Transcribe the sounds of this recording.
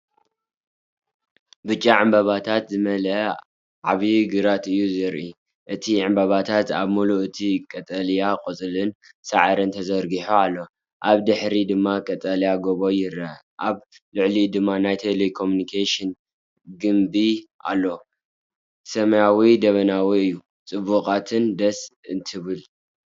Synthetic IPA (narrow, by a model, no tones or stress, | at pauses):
bɨt͡ʃʼːaʕɨmbɐβat̪ʰat̪zɨmɐlɐ | ʕaβiɡɨɾat̪ɨjːuzɨɾʔi | ʔɨt̪ʰiʕɨmbɐβat̪ʰat̪aβmuluʔɨt̪ʰikʼɐt̪ʼɐljakʼɨt͡sʼɨlɨn | saʕaɾɨnt̪ʰɐzɐɾɡiħoalːo̞ | ʔaβd̪ɨħɾid̪ɨmːakʼɐt̪ʼɐljaɡoβojɪɾɐ | ʔaβ | lɨʕlid̪ɨmːanajt̪ʰelekʰomjunikʰeʃɨn | ɡɨmbiʔa̰lːo̞ | sɐmɐjawid̪ɐβɐnawiɨjːu | t͡sʼɨβukʼat̪ʰɨnd̪ɐsɨnt̪ʰɨβɨl